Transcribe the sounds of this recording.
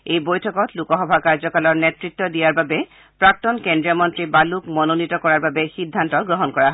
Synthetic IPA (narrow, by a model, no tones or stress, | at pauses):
ejbojtʰɔkɔtlukɔxɔbʱakaɹzɔkalɔɹnɛtɹitːɔdijaɹbabɛ | pɹak̚tɔnkendɹijɔmɔntɹibalukmɔnonitɔkɔɹaɹbabɛxidʱːantɔɡɹɔɦɔnkɔɹaɦ